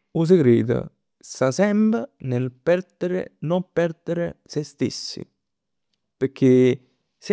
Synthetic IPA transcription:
us̬ɪkɾiːd̪a̰ | sasɛmbɾanelpɛɾd̪eɾḛnompɛɾd̪eɾesest̪ḛsːḭ | peɾkʰːe | s

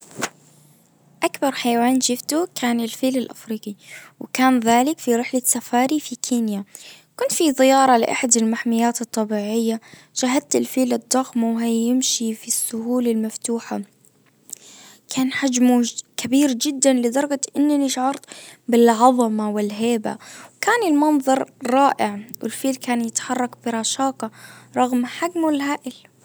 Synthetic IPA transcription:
ʔakbɑɾˤħajawaːnʃɪft̪ukʰaːnɪlfiːlɪlʔa̰fɾiːqiwɪkaːnðaːlɪkfiɾɪħlasːafaːɾifikʰiːnja | kʊnt̪fiðˤɪjɑːɾˤɑlɪ̰ʔa̰ħad̪ɪlmaħmɪjːaːt̪ɨt̪ˤːɑbiːʕɪjːa | ʃaɦad̪̚t̪ɪlfiːlɪd̪ˤːɑɣmawɦajɪmʃifisːʊhuːlalmaft̪uːħa | kʰaːnħad͡ʒmukʰabiːɾd͡ʒɪd̪ːanlɪd̪ˤɑɾˤɡɑʔɪnːniʃaʕɑɾˤt̪bɪlʕɑðˤɑmawɪlɦeːba̰wkaːnɪlmɑnðˤɑɾˤɾˤɑːʔɪʕwʔɪ̰lfiːlkaːnjɪt̪ħɑrˤːɑkbɪɾˤɑʃɑːqɑɾˤɑɣmħaɡmɪlɦaːʔɪl

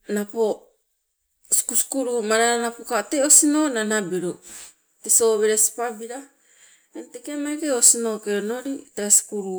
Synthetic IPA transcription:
napo | si̥kuskuɾumaɾaɾanapokateosino̞nanabeɾo | teso̞βeɾesi̥pabiɾa | entekemaiɾeosino̞keono̞ɾiteasi̥kuɾu

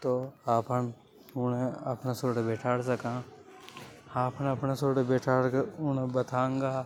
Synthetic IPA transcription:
t̪oaːpən | ʊneɐpnasoːɽebeːʈʰaːɽsɐkãː | aːpʰneɐpnesoːɽebeːʈʰaːɽʊnebɐt̪ʰãːŋɡaː

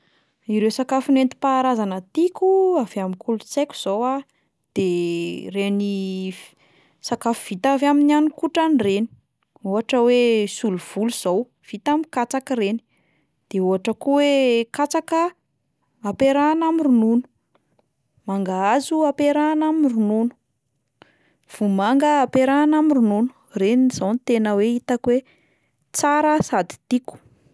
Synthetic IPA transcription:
iɾewsakafunent̪i̥paːɾazanət̪ikuavamikulut͡sekʲu̥z̥owa | d̪̥ereni | sakafuv̥it̪avaminianukuʈ͡ʂanireni̥ | uɦaʈ͡ʂəwesuluv̥uluz̥ow | v̥it̪amikat͡sakəreni̥ | d̪̥euɦaʈ͡ʂəkuwekat͡sakə | apeɾanamirununu̥ | maŋɡaazuapeɾanamirununu̥ | v̥umaŋɡəːpeɾanamirununu̥ | renizawnt̪enəweit̪akwe | t͡saɾəsad̪i̥t̪iku̥

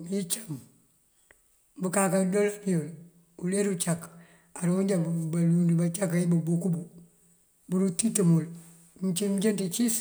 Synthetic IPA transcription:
it͡ʃam | bukakadolapiol | uleɾut͡ʃak | aɾuɲd͡ʒabbalundibat͡ʃakaibubukubu | buɾutitəmul | mt͡ʃimd͡ʒentit͡ʃis

